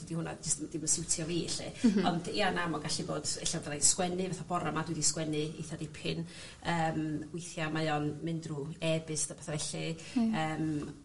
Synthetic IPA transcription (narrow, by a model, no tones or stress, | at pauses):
dihʊna̰d͡ʒɪstdɪməsɪwtʰjɔveːɬɨ̰ɔndiːanamɔɡaɬiboːdɛɬawvalaskwɛnɨbaθab̥ɔɾamadwɪdiskwɛnɨḭθadipʰɪn | əːmwɪjθjamajɔnmɪndruɛbɨsab̥ɛθavɛɬi | əːm